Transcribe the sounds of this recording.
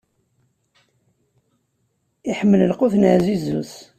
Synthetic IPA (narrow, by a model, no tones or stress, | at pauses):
iħəmːələlqʊθnəʕzizṵθ